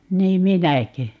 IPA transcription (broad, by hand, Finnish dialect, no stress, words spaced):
niːm minækø